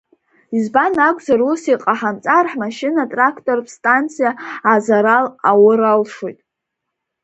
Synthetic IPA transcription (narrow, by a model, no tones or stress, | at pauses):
izbanakʷʼzarusiqʼaħamt͡sʼarħmaʃɪnatʼrakʰtʼo̞rpʰstʼant͡sʰijaːzaɾalawʊɾalʂojtʼ